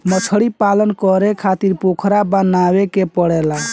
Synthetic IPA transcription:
mət͡ʃʰəɽipalənkəɾekʰat̪iɾpokʰɾabənabekepəɽɛla

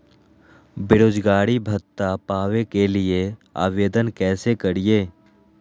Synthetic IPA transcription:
bɪɾoːd͡ʒɡaːɾibʱət̪ːapaːʋekelɪea̰ːʋeːd̪ənkɛːsekəɾieː

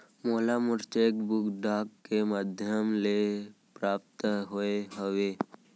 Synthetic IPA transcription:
moːlamʊɾt͡ʃekbʊkɖʱaːkːemad̪ʱjəmle | pɾaːp̚t̪ɦoeɦəʋeː

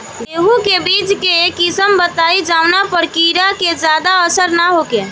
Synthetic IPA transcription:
d̪eːɦũkebiːd͡ʒkeeːkɪsəmbət̪aːid͡ʒaːʊnapəɾkiːɾakezjaːd̪aəsəɾnaɦokeː

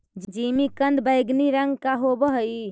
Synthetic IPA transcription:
d͡ʒd͡ʒimikənd̪bəjɡniɾəŋɡkaɦobəɦj

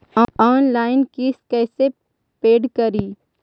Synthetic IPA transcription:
ɔːnlaːɪnkiːskɛːse | peːɖkəɾiː

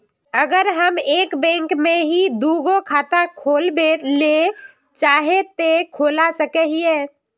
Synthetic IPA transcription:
əɡəɾɦəmeːkbɛ̃ːŋkmẽɦid̪uːɡokʰaːt̪akʰoːlbele | t͡ʃaːɦet̪ekʰoːlasəkɛeɦie

